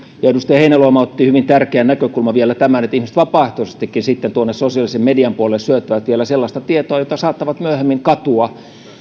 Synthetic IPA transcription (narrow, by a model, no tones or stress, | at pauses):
jɑedust̪ejɑheinæloɑmɑot̪ːihyʋint̪ærkeænækøkulmɑʋielæt̪æmænet̪ihmisĕ̥t̪ʋɑpɑˑeht̪osest̪ikːinsit̪ːent̪uonːessosiɑlisemmediɑmpuolelsyøt̪ːyʋæt̪ʋielæselːɑst̪ɑt̪iet̪oɑjot̪ɑsɑːt̪ːɑʋɑt̪myøhemːiŋkɑt̪uɑ